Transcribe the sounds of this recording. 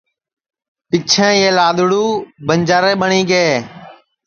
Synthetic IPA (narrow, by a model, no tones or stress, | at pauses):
pɪt͡ʃʰẽːeːlaːɗ̪ʊɽuːbəɲd͡ʒaːɾeːɓəɳiːɡeː